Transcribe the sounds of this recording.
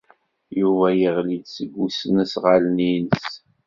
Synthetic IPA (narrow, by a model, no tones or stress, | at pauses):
juvæjəʁlid̪səɡʷːusnəsʁalninəs